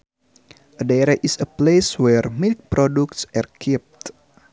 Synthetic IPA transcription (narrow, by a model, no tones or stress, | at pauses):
ədeɾaʔisəpleswɛrmilk̚pɾɔduk̚tsarkʰip̚t̪